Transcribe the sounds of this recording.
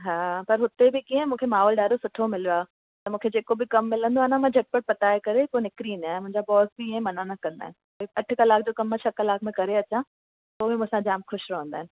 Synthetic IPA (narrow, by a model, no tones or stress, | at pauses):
ɦaːpɐɾɦʊt̪ebɪkiə̃mũːkʰemaːɦɔːlɗaːɾosʊʈʰomɪlijoaːɦe | t̪ɐmũːkʰed͡ʑeːkobɪkɐmːɪlə̃nd̪oaɦnamãd͡ʑʱɐʈ̚pəʈ̚pɐt̪aekɐɾepoenɪkɾĩnd̪aːɦemʊ̃ɦɪ̃ɲd͡ʑabɔːsbiə̃mɐnanɐkɐ̃nd̪a̰ːɦɪnɪ̆ | oɐʈ̆ʰkɐlaːkʰd͡ʑoːkɐmːɐ̃t͡ɕʰɐkɐlaːkʰmẽkɐɾeɐt͡ɕã | t̪oːmẽmũːsãd͡ʑaːmxʊʃɾɐɦə̃nd̪aːɦɪnɪ̆